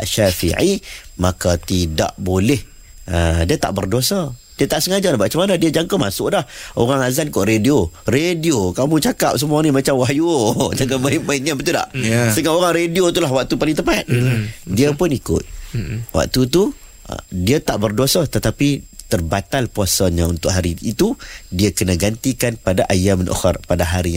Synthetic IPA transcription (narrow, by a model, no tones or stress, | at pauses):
a̰ʔʃafḭʕimakat̪ida̰ʔbolɛh | ədiət̪a̰ʔbərdosə | diət̪aʔsəŋad͡ʒanabat͡ʃamanədiəd͡ʒaŋkəmasʊʔlahoɾaŋazankɔʔrediorediokamũt͡ʃakap̚səmũanĩmat͡ʃamwaɦjud͡ʒaŋanmaimaiɲabət̪uda̰ʔsəŋaʔoɾaŋrediot̪ulaɦwak̚t̪upalit̪əpat̪̚diəpʊnikʊ̰t̪̚wa̰k̚t̪ut̪ṵ | diət̪aʔbərdosət̪ət̪apit̪ərbat̪alpuasaɲaunt̪ʊʔ̚ɦaɾiːt̪udiəkənəɡant̪ikanpadaʔajamnʔɔ̰xa̰rpadaɦaɾi